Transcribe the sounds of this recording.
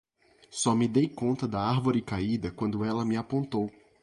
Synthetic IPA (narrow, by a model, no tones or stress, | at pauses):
sɔmɪd̪ejkõnt̪ɐd̪ɐaɾvoɾɪkaid̪ɐkwɐ̃nd̪ʊɛlɐmɪapõnt̪ow